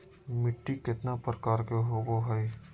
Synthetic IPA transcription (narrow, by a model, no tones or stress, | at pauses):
mɪʈːikɪt̪napɾəkaːɾkeɦoɡoɦɛj